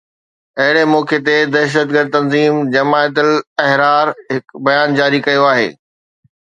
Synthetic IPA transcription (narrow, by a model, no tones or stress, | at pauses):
ɐɦɪɽemɔːket̪̬ed̪ɐʃ̬əd̪̚ɡəɾd̪̚t̪ɐ̃nziːmd͡ʑɐmaːət̪̬əlɐɦɾaːɾɦɪkbɐjaːnd͡ʑaːɾikɐjoaːɦḛː